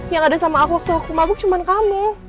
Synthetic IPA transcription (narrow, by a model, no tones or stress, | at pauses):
jaŋadasamaːkuwak̚t̪uakumabʊk̚t͡ʃumankamɛ